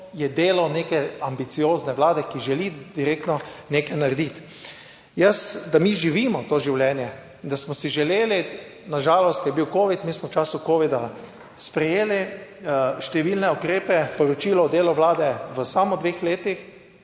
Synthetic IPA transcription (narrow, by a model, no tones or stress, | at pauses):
jɛd̪eːlawnekɛambit̪sijoːznɛʋlaːd̪ɛkiʒɛlid̪iɾeːk̚t̪nɔnekɛjnaɾɛd̪it̪ | jəsd̪amiʒiʋiːmɔt̪oːʒiwljɛːnjɛ | d̪asmɔsiʒɛleːli | naʒaːlɔst̪jɛbiwkoːʋit̪miːsmɔwt͡ʃaːsukoːʋid̪a | spɾɛjeːli | ʃt̪ɛʋilnɛukɾeːpɛpɔɾɔt͡ʃiːlɔːd̪eːlɔʋlaːd̪ɛʋəsamɔd̪ʋeːxleːt̪ix